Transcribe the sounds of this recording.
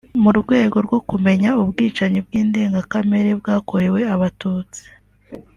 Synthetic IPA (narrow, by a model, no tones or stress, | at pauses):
muɾuɡwe̞ːɡo̞ɾɡo̞kume̞ɲaubɡiːt͡ʃaɲib̚ɡiːnde̞ːŋɡakame̞ɾeb̚ɡaːko̞ɾe̞we̞aβatuːt͡si̥